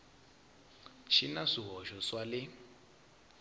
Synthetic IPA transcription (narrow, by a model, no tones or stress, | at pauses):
ʃinaʂiɦɔʃɔswalɪ